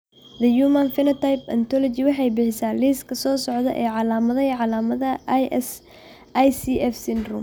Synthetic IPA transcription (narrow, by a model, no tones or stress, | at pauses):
ðɐjuːmɐnfɪnɐt̪ʰajpɐnt̪ʰɔlɔt͡ʃɪwɑħɑjbɪħɪsaːliːskʰɐsɔːsɔʕd̪ɐ̰ʔɛːʕɑlaːmɐðɐʕɑlaːmɐðɐs | jsiʔɛfsɪnd̪rʊm